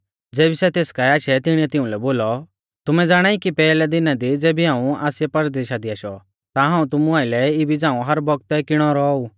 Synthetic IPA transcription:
d͡zeːbisɛt̪eːskaiaːʃɛt̪ɪɽ̃iɛt̪ɪũlɛboːlɔ | t̪ʊmɛd͡zaːɽ̃aːikipɛːlɛd̪ɪnad̪id͡zɛːbiɦãːũaːsɪjɛpɐɾd̪eːʃad̪iaːʃɔ | t̪aɦãːũt̪ʊmuaːɪlɛɪbid͡zãːũɦɐɾbɔɡ̚t̪ɛkɪɽ̃ɔɾɔu

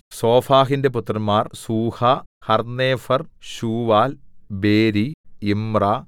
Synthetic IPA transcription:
soːfaːɦinde̞put̪rɐmaːrsuːhɐhɐrneːfɐrɕuːʋaːlbeːɾiimra

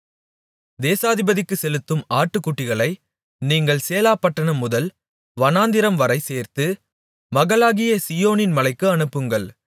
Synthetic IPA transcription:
d̪eːsaːðɪbɐðɪkːɯsɛlɯt̪ːɯmaːʈːɯkːuʈːɪɣɐɭɐɪ | niːŋɡɐɭseːlaːpːɐʈːɐɳɐmːʊðɐl | ʋɐnaːnd̪ɪɾɐmʋɐɾɐɪseːɾt̪ɯ | mɐɣɐlaːɣɪjɐsɪjoːnɪnmɐlɐɪkːɯɐɳɯpːɯŋɡɐɭ

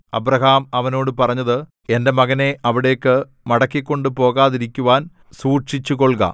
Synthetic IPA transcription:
ɐbɾɐɦaːmɐʋɐno̞ːɽɨpɐrɐɲːɐðɨ | e̞nde̞mɐɣɐne̞ʔɐʋiɽe̞jkːɨ | mɐɽɐkːikʲːo̞ɳɖɨpo̞ːɣaːðiɾikʲːuʋaːn | suːrʂit͡ɕːuko̞ɭɡɐ̰

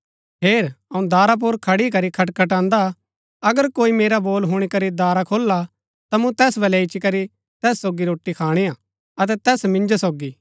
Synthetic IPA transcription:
peːɾɐũd̪aːɾap̬ʊːɾkʰɐɽik̬ɐɾikʰɐʈkʰɐʈ̬ãːnd̪a | ɐɡəɾkoːimeːɾaboːlɦʊɽ̃ikɐɾid̪aːɾakʰoːlːa | t̪amũt̪ɛːsbɐlɛɪt͡ʃikɐɾi | t̪ɛːsːoːɡiɾoːʈːikʰaːɽ̃ija | ɐt̪̬ɛt̪ɛːsmɪ̃nd͡ʒosoːɡiː

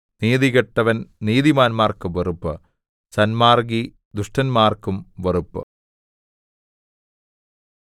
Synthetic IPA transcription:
niːðiɣɐʈːɐʋɐnniːðimaːnmaːrkumʋerupːɨ̰ | sɐnmaːrɡi | d̪uʂʈɐnmaːrkumʋerupːɨ̰

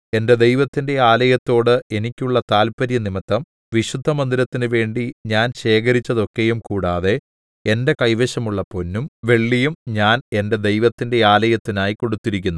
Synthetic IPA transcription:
e̞nde̞d̪e̞jʋɐt̪ːinde̞aːlɐjɐt̪ːo̞ːɽɨe̞nikʲːuɭːɐt̪aːlpɐɾjɐnimɐt̪ːɐm | ʋiɕud̪ʱːɐmɐnd̪iɾɐt̪ːinɨʋe̞ːɳɖiɲaːnɕe̞ːk̬ɐɾit͡ɕːɐðo̞kːejumkuːɽaːðe̞ | ende̞kɐjʋeɕɐmuɭːɐpo̞nːumʋe̞ɭːijumɲaːne̞nde̞d̪e̞jʋɐt̪ːinde̞aːlɐjɐt̪ːinaːjiko̞ɽut̪ːiɾikʲːunːu

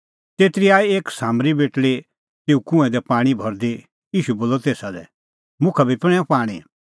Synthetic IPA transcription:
t̪eːt̪ɪɾiaːeeːksaːmɾibeːʈle | t̪eːukʊ̃ɛ̃d̪ɛpaːɽ̃ibʱɔɾd̪e | iːʃuboːlːɔt̪eːsad̪ɛ̰ | mʊ̃kʰabʱipɪɽ̃ɛ̃paːɽ̃ḭ

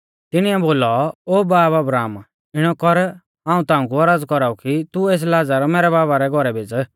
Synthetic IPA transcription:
t̪ɪɽ̃iɛboːlɔoːbaːpɐbɾaːm | ɪɽ̃ɔkɔɾ | ãːũt̪ãːʊ̃k̬uɐɾaːd͡zkɔɾaːukit̪ueːs̬laːd͡zaɾɔmɛːɾɛbaːbaɾɛɡʱɔɾɛbʱed͡z

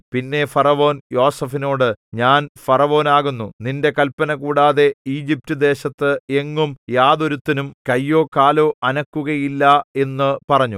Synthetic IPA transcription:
pinːe̞fɐrɐʋo̞ːnjo̞ːsɐfino̞ːɽɨɲaːnfɐrɐʋo̞ːnaːɣunːuninde̞kɐlpːɐnɐkuːɽaːðe̞iːd͡ʑip̚tɨd̪e̞ːɕɐt̪ːɨe̞ŋːumjaːðoɾut̪ːinumkɐjːo̞ːkaːlo̞ːʔɐnɐkːuɣɐjilːɐe̞nːɨpɐrɐɲːu

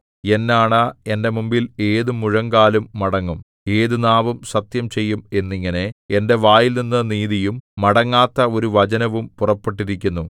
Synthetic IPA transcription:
e̞nːaːɳɐe̞nde̞mumbile̞ːðumuɻɐŋɡaːlumːɐɽɐŋːum | e̞ːðunaːʋumsɐt̪jɐmt͡ɕe̞jːume̞nːiŋːɐne̞ende̞ʋaːjilninːɐniːðijumːɐɽɐŋːaːt̪ːɐo̞ɾuʋɐd͡ʑɐnɐʋumpurɐpːeʈ̬ːiɾikʲːunːu

